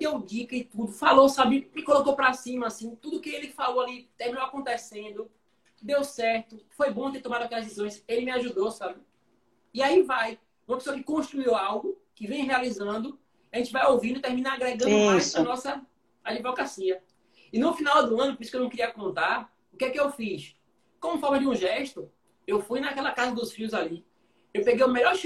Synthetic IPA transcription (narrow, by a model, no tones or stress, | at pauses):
d̪ewd͡ʒikɐɪt̪ud̪ʊfalosabɪmɪkolokopɾasĩmɐːsĩt̪ud̪ʊːkɪelɪkɪfalowalit̪ehmĩnowakõnt̪esẽnd̪ʊ | d̪ewsɛɾt̪ʊfojbõt̪eɾt̪õmad̪ʊakɛlɐzdesizõj̃selɪmɪaʒud̪osabɪ | ɪaivaj | ũmɐpesoɐkɪkõʃt̪ɾuiwawɡʊkɪvẽj̃ɦealizɐ̃nd̪ʊ | aʒẽt͡ʃɪvajowvĩd̪ʊɪt̪ehmĩnaaɡɾeɡɐ̃d̪ʊmmajzanɔsɐ | ad͡ʒivɔkasiɐ | ɪnʊfinawd̪ʊɐ̃nʊpoɾiskewnɐ̃w̃kɪɾiɐkõnt̪aɾ | ʊkɛkɪewfis | kõmʊfɔmɐd͡ʒɪũʒɛʃt̪ʊ | ewfujnakɛlɐkazɐd̪ʊsfiʊzali | ewpeɡejʊmɛʎɔɾ